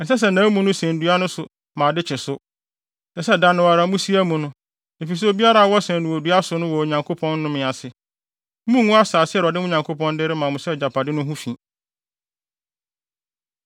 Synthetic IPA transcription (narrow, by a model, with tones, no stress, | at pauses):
n̩˨sɛ˦s̬ɛ˨nãː˨˦mũ˦nʊ̃˦sɛ̃˨n˨du˨˦a˦nʊ̃˦sʊ˨ | mã˨dɪ˦t͡ɕʰɪ˨sʊ˦ | nã˨sɛ˦dã˨nʊ̃˨wa˨ɾa˨mũ˦si˦æ˦mũ˨nʊ̃˦ | e˨fi˨s̬ɛ˦o˨bi˦a˦ɾa˦˨wɔ˦sɛ̃˨nɪ̃˨wɔ˨du˨a˦sʊ˨˦nʊ̃˦wɔ˨o˨ɲã˨ŋkʰo˦pʰɔ̃˦n˦nʊ̃˦mɪ̃˨a˨sɪ˨˦ | mũ˦ŋũ˦a˦saː˨sɪ˦ɛ˦˨ɾɔ˨dɪ˦mʊ̃˦ɲã˨ŋkʰo˦pʰɔ̃˦n˦dɪ˦ɾɪ˦mã˨mʊ̃˨sɛ˦˨d͡ʑa˨pʰa˨dɪ˦nʊ̃˦ɦũ˦fĩ˨